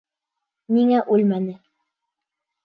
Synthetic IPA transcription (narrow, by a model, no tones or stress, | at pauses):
niŋæʔʉlmænɘ